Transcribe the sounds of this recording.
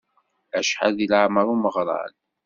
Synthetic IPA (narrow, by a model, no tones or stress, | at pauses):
æʃħa̰ðilʕaməɾˤuməʁɾˤɑ̰l